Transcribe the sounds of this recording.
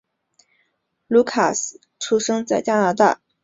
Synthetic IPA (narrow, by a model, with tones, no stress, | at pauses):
lu˧˥kʰa̰˨˩s̩˨˩ | ʈ͡ʂʰu˥ʂɤ˥ŋt͡sa˥˩ɪt͡ɕja˥na˧˥t̪a̰˥˩